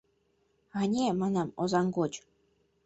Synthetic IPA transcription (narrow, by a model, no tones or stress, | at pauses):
ɑnʲemɑnɑmozɑŋɡot͡ɕ